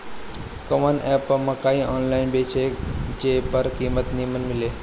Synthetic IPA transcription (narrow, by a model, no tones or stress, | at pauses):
kəmənɛpəmɐkaĩʔɔnlainbet͡ʃʰed͡ʒepəɾkiːmət̪nimənmile